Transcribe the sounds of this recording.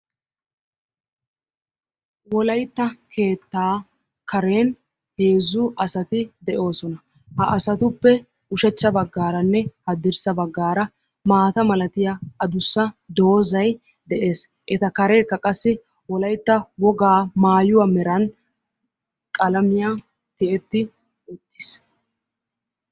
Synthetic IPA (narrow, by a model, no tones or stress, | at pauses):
wɔlɐjt̪ːɐkʰe̞ːt̪ːaː | kʰɐɾe̞ːn | he̞ːzːʊʔɐsɐt̪ɪd̪ɛʔo̞ːsɔnɐ | hɐʔɐsɐt̪ʊpːɛ | ʊʃɛt͡ʃːɐbɐɡːaːɾɐnːɛhɐd̪ɪɾsɐbɐɡːaːɾɐ | maːt̪ɐmɐlɐt̪ɪjaɐd̪ʊsːɐd̪o̞ːzɐj | d̪ɛʔe̞ːs | ʔɛt̪ɐkɐɾe̞ːkːɐkʼɐsːɪ | wɔlɐjt̪ːɐwɔɡaːmaːjʊwɐmɛɾɐn | kʼɐlɐmɪja | t̪ɛʔɛt̪ːɪ | ʊt̪ːɪs